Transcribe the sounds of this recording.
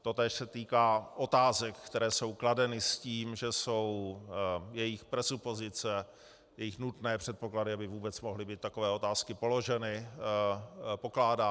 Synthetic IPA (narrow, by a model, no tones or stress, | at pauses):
t̪o̞t̪ɛːʃsɛt̪iːkaːʔo̞t̪aːzɛkkt̪ɛɾɛːso̞wkladɛnɪsciːmʒɛso̞w | jɛjɪxpɾɛsupo̞zɪt͡sɛ | jɛjɪxnut̪nɛːpr̥ɛt̪̚po̞kladɪabɪvuːbɛt͡smoɦlɪbiːt̪̚ːako̞vɛːo̞t̪aːskɪpo̞lo̞ʒɛnɪ | po̞klaːdaː